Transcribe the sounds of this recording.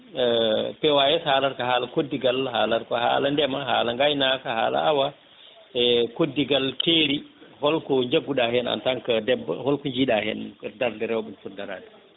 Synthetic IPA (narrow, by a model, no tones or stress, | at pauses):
pɛwajɛsalaɾkaɦaːlakodːiɡalhalaɾkɔha̰ːlandɛmaɦalaŋɡajnakaha̰ːla̰awa | ɛkodːiɡalteɾihɔlkɔɲd͡ʒaɡːuɗahɛna̰ntaŋkadɛbhɔlkɔɲd͡ʒiɗahɛ̰ndaɾdɛɾɛwɓɛnsudaɾa̰di̥